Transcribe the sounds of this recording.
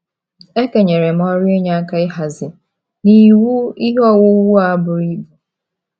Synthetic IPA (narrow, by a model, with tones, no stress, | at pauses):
e˦ke˨ɲe˨ɾe˨m˦ɔ˦ɾɪ˦e˦ɲa˦a˦ka˦ɪ˦ɦa˨zɪ˨ | ni˨wu˦i˦ɦɔ˦˨wo˦wu˦a˦bʊ˨ɾi˦bu˨